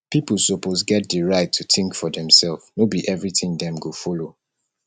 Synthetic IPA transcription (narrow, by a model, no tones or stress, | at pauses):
pipl̩ˠsopozɡɛt̚dəɹaɪtʰːuθɪ̃ŋkfɔdɛ̃msɛlˠfnobiʔɛvɹitĩŋdɛ̃mɡofɔlo